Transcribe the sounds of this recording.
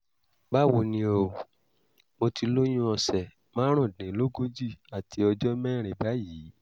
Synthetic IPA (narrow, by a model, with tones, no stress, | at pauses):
ba˦wo˧˨nĩ˧o˨ | mo˧ti˧lo˦j̃ũ˦ɔ˧sɛ˨ | mãː˦ɾ̃ũ˦˨dĩ˨˦lo˦ɡo˦d͡ʒi˦˨a˨tʰi˧˦ɔ˧d͡ʒɔ˦mɛ̃˦ɾ̃ẽ˨ba˨˦jiː˨˦